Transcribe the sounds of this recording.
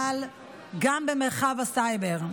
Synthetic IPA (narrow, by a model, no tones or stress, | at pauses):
l | ɡambɛmeʁχavasajbeʁ